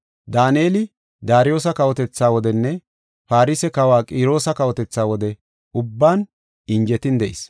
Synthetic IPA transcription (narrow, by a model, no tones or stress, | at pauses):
d̪aːneːlɪ | d̪aːɾɪjo̞ːs̬ɐkɐwɔt̪ɛt͡sːaːwɔd̪ɛnːɛ | paːɾɪsɛkɐwaːkʼiːɾo̞ːsɐkɐwɔt̪ɛt͡sːaːwɔd̪ɛ | ʊbːaːn | ɪɲd͡ʒɛt̪ɪnd̪ɛʔɪ̰s